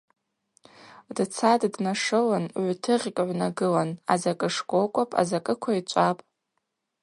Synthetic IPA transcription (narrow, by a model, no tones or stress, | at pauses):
dt͡sʰaddnaʂɨlanʕʷtʰɨʁʲkʼʕʷnaɡɨlana̰zakʼɨʂɡʷʼokʷʼapʼa̰zakʼɨkʷʰait͡ʃʷʼapʼ